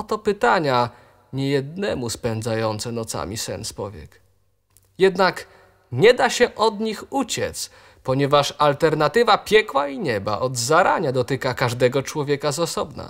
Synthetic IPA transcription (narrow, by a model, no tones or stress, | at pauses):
ɔt̪ɔpɘt̪aɲa | ɲɛjɛd̪nɛmuspɛnd̪zajɔnt̪sɛnɔt̪sa̰mʲisɛ̰nspɔvʲjɛ̰k | jɛd̪nak | ɲɛd̪aɕɛʔɔd̪ɲixut͡ɕɛt̪s | pɔɲɛvaʂalt̪ɛɾnat̪ɘvapʲjɛkwaiɲɛba̰ʔɔd̪zaɾa̰ɲad̪ɔt̪ɘkakaʐd̪ɛɡɔt͡ʂwɔvʲjɛkazasɔbna̰